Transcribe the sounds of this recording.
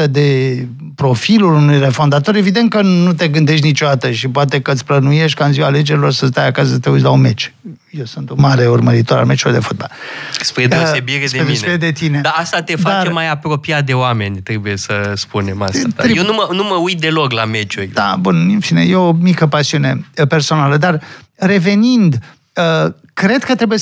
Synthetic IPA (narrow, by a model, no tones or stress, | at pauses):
əd̪e̞ | pɾo̞filulunujre̞fo̞nd̪at̪o̞ɾe̞vid̪e̞nt̪̚kənut̪e̞ɡɨnd̪e̞ʃt̪ʲnit͡ʃod̪at̪əʃipoat̪e̞kət̪sʲplənuje̞ʃt̪̚ʲkaɨnziwale̞d͡ʒe̞ɾilo̞rsəs̬t̪ajakasəsət̪eut̪s̬ʲlaunme̞t͡ʃ | je̞wsɨnt̪umaɾe̞urməɾit̪o̞ɾa̰lme̞t͡ʃulord̪e̞̰fod̪ba̰lspɾedeosebiɾesd̪eesbiɾed̪e̞t̪ine̞d̪aast̪at̪edfdat͡ʃremajapɾo̞piat̪̚d̪e̞oame̞nʲt̪ɾebuje̞səspune̞ma̰saejenumənuməujt̪̚d̪e̞lo̞klame̞t͡ʃurʲd̪abunifinḛjeomikəpasiune̞pe̞rso̞naləd̪ar | re̞ve̞nind̪ | ə | kɾe̞d̪kət̪ɾe̞buje